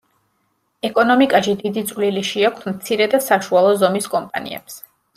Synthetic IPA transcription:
ɛkʼɔnɔmikʼaʃid̪id̪it̪sʼvliliʃiak̚ʰtsmt̪sʰiɾɛd̪asaʃualˠɔzɔmiskʼɔmpʼa̰nḭɛ̰ps

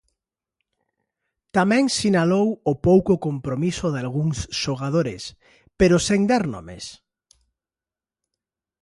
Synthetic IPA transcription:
t̪amɛ̃ŋsinalowʊpowkʊkompɾomisʊðalɣuŋsʃoɣað̞oɾɪ̰s | peɾosend̪aɾnɔ̰mḛs

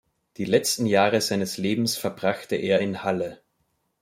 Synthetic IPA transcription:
d̥iːlɛt͡stn̩jaːʁəzaɪnəsleːbm̩sfɛɐbʁaχtəʔeːɐɪnhalə

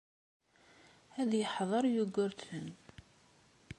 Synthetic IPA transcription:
æðjəħðˤəɾˤjuɡːʊɾtən

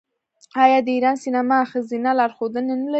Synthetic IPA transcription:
ɑjɑd̪əiɾɑnsinamaxazinalɑɾxod̪ənenəla

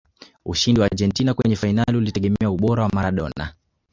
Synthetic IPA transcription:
uʃindiwaʄɛntinakwɛɲɛfainaliulitɛɠɛmɛauɓɔɾawamaɾaɗɔ̰na̰

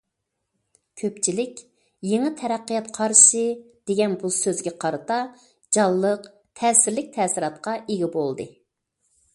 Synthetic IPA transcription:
kʲʰøpt͡ʃʰilɪkʲ | jeŋɨt̪ʰɛɾæqːijɑt̪qʰɑɾʃɨ | d̪̥eɡʲɛnbusøzɡʲɛqʰɑɾɨt̪ɑ | d͡ʒɑlˠːəq | t̪ʰɛːsɪɾlɪk̚ʲt̪ʰɛːsɪɾɑt̪̚qɑʔeɡʲɪbolˠd̪ɨ

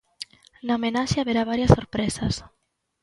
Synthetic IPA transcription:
naomenaʃeaβeɾaβaɾjasoɾpɾesas

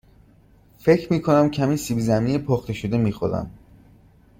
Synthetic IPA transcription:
fe̞cʰɾmiːkʰo̞næmcʰæmiːnsiːbizæminepʰoxt̪e̞ʃod̪emiːxo̰ɾæ̰m

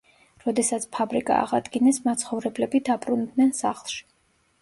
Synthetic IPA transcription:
ɾɔd̪ɛsat̪sʰpʰabɾikʼa̰ːʁa̰d̪ɡinɛsmat̪sʰχɔvɾɛblɛbid̪apʼɾund̪nɛnsa̰χlˠʃi̥

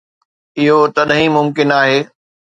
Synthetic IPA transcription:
ɪɦot̪ɐɗɦĩmʊmkɪnaːɦeː

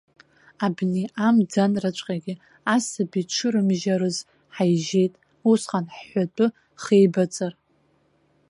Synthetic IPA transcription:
abneʔamd͡zanrat͡ʃʷʼqʲʼaɡʲɪ | asabit͡ʃʷʰɨɾɨmʒaɾɨz | ħajʒe̞jtʼ | usχanħːʷat͡pʼɨ | χejbat͡sʼar

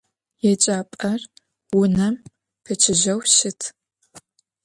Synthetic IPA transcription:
jɛt͡ʃʼaːpʼɐr | wʊnɐm | pʰɐt͡ʃʰɪʒɐwʃɪtʰ

